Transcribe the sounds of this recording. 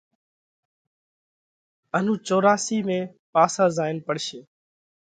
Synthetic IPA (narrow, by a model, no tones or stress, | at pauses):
ən̤ũːt͡ʃoːɾaːsiːmẽː | paːsaːzaːɪnpəɽʃeː